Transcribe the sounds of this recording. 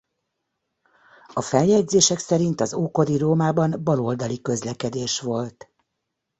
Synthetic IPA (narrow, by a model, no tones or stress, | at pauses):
ɒfɛljɛɟzeːʃɛksɛɾint̪ɒzoːko̞d̪iɾoːmaːbɒnbɒlo̞ld̪ɒlikø̞zlɛkɛd̪eːʃʋo̞lt̪